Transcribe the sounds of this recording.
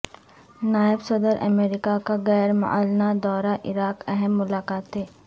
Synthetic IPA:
naːɪbsɐd̪əɾʔɐ̰meːɾɪkakaɣɛːɾmʊ̰ʔa̰ːlnad̪ɔːɾaʔɪɾaːkɛɦɛmːʊlaːkaːt̪ɦɛː

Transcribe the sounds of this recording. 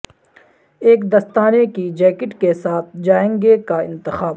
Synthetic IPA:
eːkd̪ɐst̪aːnekid͡ʒɛːkɪʈkesaːt̪̚ʰd͡ʒaːẽːŋɡekaɪ̃nt̪ɪxaːb

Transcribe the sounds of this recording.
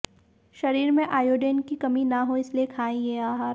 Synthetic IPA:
ʃɐɾiːɾmẽʔaːjoːɖeːnkikɐminɐɦoɪsliekʰaːĩeaːɦa

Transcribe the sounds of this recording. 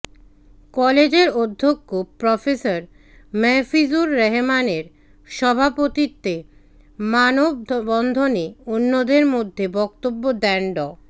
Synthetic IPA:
kɔled͡ʑeɾod̪ʱːokːopɾɔfesaɾ | mɛfizuɾːɛɦemaneɾ | ʃɔbʱapot̪it̪ːe | manob̚bɔnd̪ʱoneonːod̪eɾmod̪ʱːebɔk̚t̪obːod̪ɛɳɖɔ

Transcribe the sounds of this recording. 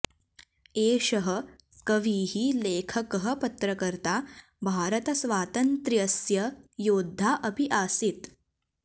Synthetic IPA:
eːʃɐɦɐ | kɐʋiːɦileːkʰɐkɐɦə̆pɐt̪ɾɐkɐɾt̪aː | bʱaːɾɐt̪ɐsʋaːt̪ɐnt̪ɾjɐsjɐjoːd̪ʱːaːʔɐbiʔaːsit̪

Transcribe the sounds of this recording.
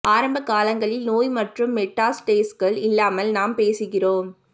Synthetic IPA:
ʔaːɾɐmbɐkaːlɐŋɡɐɭɪlnoːjmɐʈrɯmːɛʈːaːsʈeːsɣɐɭɪlːaːmɐlnaːmpeːsɯɣɪroːm

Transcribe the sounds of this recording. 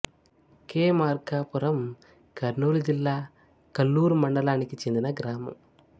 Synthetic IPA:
keːmaːɾkaːpuɾɐm | kɐɾnuːlid͡ʒilːaː | kɐlːuːɾmɐɳɖɐlaːnikːit͡ʃend̪inɐɡɾaːmɐ̰m

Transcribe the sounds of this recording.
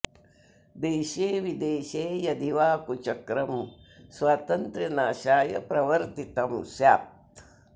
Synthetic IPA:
d̪eːʃeːʋid̪eːʃeːjɐd̪ʱiʋaːkut͡ʃɐkɾɐm | swaːt̪ɐnt̪ɾɐnaːʃaːjɐ̰pɾɐʋɐɾt̪it̪ɐmsja̰ːp̚t̪

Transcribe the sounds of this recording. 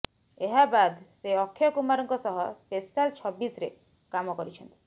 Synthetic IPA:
eɦabad̪seɔkʰːjɔkumaɾɔŋkɔsɔɦɔspesalt͡ʃʰɔbːisɾe | kamɔkɔɾit͡ʃʰɔnt̪i̥

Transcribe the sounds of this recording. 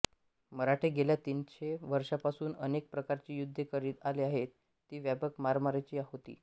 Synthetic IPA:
məɾaʈʰeɡeljat̪int͡ɕeʋəɾʂapasuːnənek̚pɾəkaɾt͡ɕiːjud̪ʱːəkəɾiːd̪aliaɦet̪ː | iːʋjabəkmaɾmaɾat͡ɕiːaɦot̪ḭː

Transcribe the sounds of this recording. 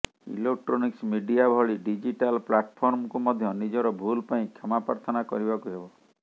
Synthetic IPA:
ḭlek̚ʈɾɔniksmiɖiabʱɔɭiɖid͡ʒiʈalplaʈpʰɔɾmkumɔd̪ʱjɔnid͡ʒɔɾɔbʱulpaĩkʰamapaɾt̪ʰɔnakɔ̰ɾibakuɦebɔ

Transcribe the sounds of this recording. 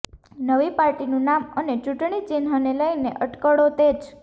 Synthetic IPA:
nəʋipaɾʈinũnamənet͡ʃuʈɳ̃it͡ʃinɦəneləjneʔəʈkəɽot̪ed͡ʒ

